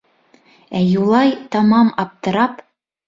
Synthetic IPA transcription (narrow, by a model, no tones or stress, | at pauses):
æjulˠɑjt̪ɑmɑmɑp̚t̪ɤ̆ɾɑp